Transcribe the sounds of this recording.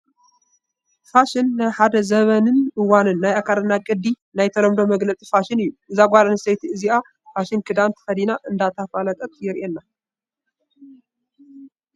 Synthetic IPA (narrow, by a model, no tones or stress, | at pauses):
faʃɪnːajħad̪ɐzɐβɐnɨnɨwanɨnːajakʰaɾɨnːakʼɨd̪i | najt̪ʰɐɾɐmd̪o̞mɐɡlɐt͡sʼi̥faʃɪnɨjːuʔɨzaɡʷaɾanɨsejt̪iɨzia | faʃɪnkʰɨd̪ant̪ʰɨ̥xɐd̪inaʔɨnd̪at̪ʰafalɐt̪ʼɐkʼjɪɾʔenːa